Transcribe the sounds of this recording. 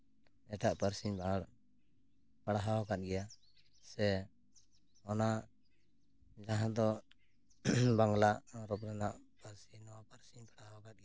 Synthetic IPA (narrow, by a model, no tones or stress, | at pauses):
ɛʈaʔpəɾsiɲba | paɽaɦawakat̪̚ˀɡɛja | sɛ | ɔna | d͡ʒaɦãd̪ɔ | baŋɡlaʔɾɔpɾɛnaʔpaɾsinɔwapaɾsiɲpaɽaawakat̪̚ɡɛ